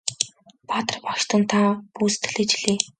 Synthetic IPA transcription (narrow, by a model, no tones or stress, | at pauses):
pat̪ə̆rpɔʃt̪ə̆nt̪ʰapuːst̪̆ʰɮeːt͡ɕɮeː